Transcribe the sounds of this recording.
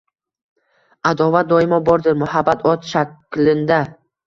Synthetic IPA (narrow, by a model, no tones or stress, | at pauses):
ad̪ɒvat̪̚d̪ɒɪmɒbɒɾd̪ɪɾmʊhabːat̪ʰɒt̪ʃaklɪnd̪a